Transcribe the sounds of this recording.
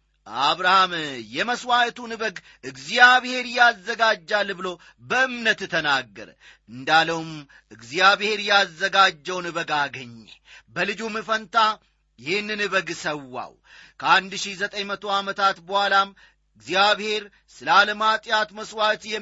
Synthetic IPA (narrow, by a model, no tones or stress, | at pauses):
aβɾahamjɛməswaʔt̪ʰunɨbəɡ | ʔɨɡzjaβhe̞ɾjazːəɡad͡ʒːalːbɨlo̞ | bəɨmnət̪ːɨt̪ʰənaɡːə̰ɾ | ɨnd̪aləwum | ʔɨɡzjaβhe̞ɾjazːəɡad͡ʒːəwnɨβəɡaɡəɲːebəlɨd͡ʒumɨfənt̪a | jɪhɪnːɨnɨβəɡsəwːa̰w | kʰəand̪ʃizət̪ʼəɲmət̪ʰo̞amət̪ʰat̪bəhalam | ɨɡzjaβhe̞ɾ | sɨləaləmat̪ʼjat̪məswaʔt̪jɛ